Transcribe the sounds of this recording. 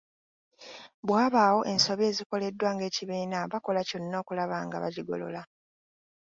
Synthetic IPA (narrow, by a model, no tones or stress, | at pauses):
βwaːβaːwo̞ʔe̞nso̞βje̞ːziko̞le̞dːwaːŋɡe̞ːciβiːnaβako̞laconːo̞ːkulaβaːŋɡa̰βa̰ɟiɡo̞̰lo̞̰la